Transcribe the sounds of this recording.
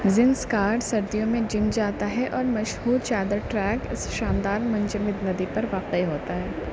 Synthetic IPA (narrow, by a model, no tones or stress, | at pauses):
zɪnskaːɾɖsɐɾd̪ijõmẽd͡ʒɪmd͡ʒaːt̪aɦɛʔɔːɾmɐʃhuːɾt͡ʃaːd̪əɾʈɾɛːkɪsʃãːnd̪aːɾmɐ̃nt͡ʃəmɪd̪nɐd̪ipɐɾʋaːqeeɦoːt̪aɦɛː